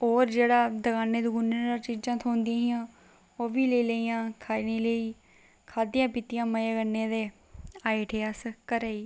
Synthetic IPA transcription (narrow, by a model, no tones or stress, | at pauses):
oːɾd͡ʒeːɽaːd̪əɡaːnːeːd̪ʊɡʊneːɾaːt͡ʃiːd͡ʒãːt̪ʰoːnd̪iãːɦijãː | oːʋiːleiːləiːãːkʰaːiniːləiː | kʰaːd̪ijãːpɪt̪ɪjãːməjaːɡənːeːd̪eː | aːiːʈʰeːaːsəkəɾəiː